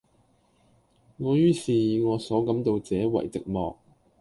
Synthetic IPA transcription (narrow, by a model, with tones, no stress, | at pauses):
ŋɔː˨˧jyː˥siː˨ŋɔː˨˧sɔː˨˥kɐ˨˥mt̪o˧wt͡sɛː˨˥wɐ̰˨˩jt͡sɪ̰˨k̚mɔ̰ː˨k̚